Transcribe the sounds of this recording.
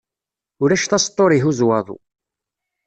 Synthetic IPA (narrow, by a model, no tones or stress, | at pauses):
ʊɾæʃθɑst̪ˤːoɾˤiɦuzwɑðˤṵ